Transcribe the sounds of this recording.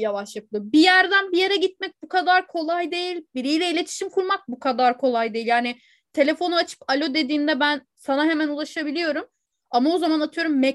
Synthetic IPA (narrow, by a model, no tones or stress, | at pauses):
javaʃlˠak̪̚ˠɯbijæɾd̪ænbije̞ɾɛɟit̪̚mɛc̚bukʰad̪aɾkʰo̞lˠajd̪e̞jilʲbiɾijlʲɛilʲe̞t̪ʰi̥ʃimkʰuɾmak̚bukʰad̪aɾkʰo̞lˠajd̪e̞ilʲjaːnɪ | t̪ʰe̞lʲe̞fo̞nuat͡ʃʰɯ̥palʲo̞d̪e̞d̪iːnd̪ɛbæn | sanaɦe̞mænulˠaʃabilʲijo̞ɾum | amao̞zamanat̪ʰɯjo̞ɾumːɛ